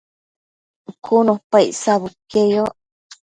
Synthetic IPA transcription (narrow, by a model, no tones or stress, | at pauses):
kʰunopaiʔsaβukejoʔ